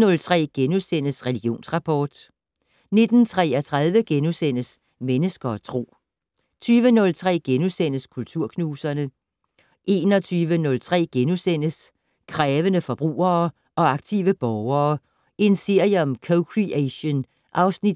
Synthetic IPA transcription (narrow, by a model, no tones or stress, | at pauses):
nɔ̽lt͡sʰʁɛ̰ːɡ̥enusen̰əsʁɛliɡ̥jo̝̰ːnsʁɑ̈pʰɒːd̥ | ne̝d̥n̩t͡sʰʁɛ̰ːɒt͡sʰʁaðˠʋəɡ̥enusen̰əs | menəsɡ̥ɐɒt͡sʰʁo̝̰ː | t͡sʰyːʋənɔ̽lt͡sʰʁɛ̰ːɡ̥enusen̰əskʰult͡sʰuɐ̰kʰnuːsɐnə | ʔe̝ːnɒt͡sʰyːʋənɔ̽lt͡sʰʁɛ̰ːɡ̥enusen̰əs | kʰʁɛːʋənəfɒ̽b̥ʁṵːɐː | ʔɒ̽ɑ̈ɡ̥̚t͡sʰḭʋəb̥ɒʊɐː | e̝nse̝ɐ̰jəɒ̽mkʰoʊkʰʁiæɕən | ʔɑ̈ʊsnid̥